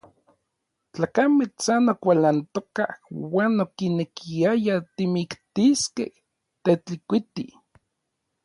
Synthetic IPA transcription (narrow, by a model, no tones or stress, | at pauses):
t͡ɬaːkamet͡sanokʷalant̪oka̰hwaːnokinekʰiajat̪imikt̪iskḛh | t̪et͡ɬikʷit̪ḭ